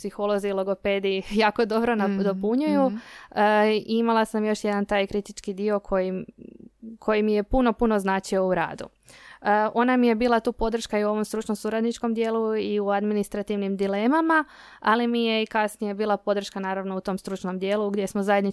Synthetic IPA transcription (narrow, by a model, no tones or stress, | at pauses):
psixolˠo̞ziːlˠo̞ɡo̞pe̞ːd̪iijaːko̞d̪o̞bɾonad̪opuɲuju | iimalˠasamjo̞ʃje̞d̪ant̪aːjkɾit̪it͡ʃkid̪io̞kʰo̞ji | kʰo̞jimije̞puno̞puno̞znaːt͡ʃio̞uɾa̰ːd̪ṵ | ʔo̞namije̞biːlˠat̪uːpo̞d̪r̩ʃkaiuo̞ʋo̞mst̪ɾut͡ʃnosuɾad̪nit͡ʃko̞md̪je̞ːlˠuiuad̪minist̪ɾat̪iʋnimd̪ile̞ːmama | alimije̞ikasnije̞biːlˠapo̞d̪r̩ʃkanaːɾaʋno̞ut̪o̞mst̪ɾut͡ʃnomd̪je̞ːlˠuɡd̪je̞smozajed̪ni